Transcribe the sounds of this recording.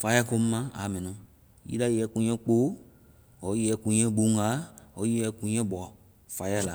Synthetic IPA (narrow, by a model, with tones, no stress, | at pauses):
fa˧˦ja˦ko˧˦m̩˦mã˦a̰˨mɛ̃˨nɔ̃˨ | jḭ˦da˦jɛ˧˦kũ˧ɲɛ̃˦k͡po˦ | ɔ˨˦i˦ɛ˧˦kũ˧˦ɲɛ̃˦ɡ͡bu˨˦ŋ˦ɡa˨˦ɔ˨˦i˦ɛ˧˦kũ˧ɲɛ̃˦bɔ˨ | fa˨˦ja˦la˨